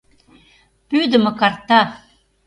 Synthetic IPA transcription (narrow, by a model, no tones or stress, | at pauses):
pyd̪ə̆mɤ̆kɑrt̪ɑ